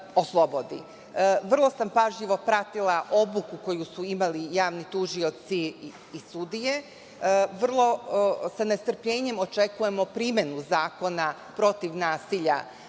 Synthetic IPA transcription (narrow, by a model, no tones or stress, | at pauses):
o̞slˠobo̞d̪ḭ | ʋr̩lˠo̞sampaʒʎiʋo̞pɾat̪ilˠaʔo̞bukuko̞jusuimalijaːʋnit̪uʒio̞t̪siː | sud̪ije̞ | ʋr̩lˠo̞sanest̪r̩pʎe̞ːɲe̞mo̞t͡ʃe̞kuje̞mo̞pɾimje̞nuzaːko̞na | pɾo̞t̪iʋnaːsiʎa̰